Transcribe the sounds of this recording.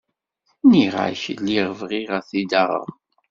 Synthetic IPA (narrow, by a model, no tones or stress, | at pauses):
niʁa̰çəlːiʁəvʁiʁaθid̪aʁə̰ɾ